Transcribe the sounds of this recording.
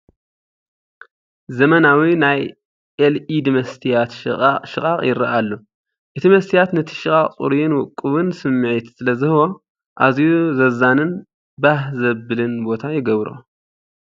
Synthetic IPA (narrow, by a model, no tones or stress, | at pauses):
zɐmɐnawinaj | ʔelid̪ɨmɐst̪ʰijat̪ʃɨkʼaχʼjɪ̰ɾɐʔalːo | ʔɨt̪ʰimɐst̪ʰijat̪nɐt̪ʰi̥ʃɨkʼaχʼt͡sʼṵɾijɪnwʊkʼːɨβɨnsɨmːɨʕit̪sɨlɐzɨhɨwo | ʔazjuzɐzanɨn | bahzɐbɨlɨnbo̞t̪ʰajɪɡɐβɾṵ